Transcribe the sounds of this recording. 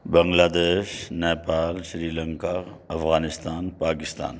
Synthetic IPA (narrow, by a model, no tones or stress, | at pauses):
bɐ̃ŋɡlaːd̪eːʃnɛːpaːlʃɾiːlɐ̃ŋkaɐfɣaːnɪst̪aːnpaːkɪst̪a̰ːn